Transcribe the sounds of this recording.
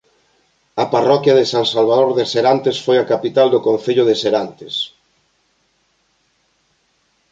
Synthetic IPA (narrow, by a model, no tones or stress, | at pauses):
aparɔkjɐðɪsaŋsalβ̞aðoɾðeseɾant̪esfojakapit̪ald̪okõn̟θeʎʊðɪseɾant̪es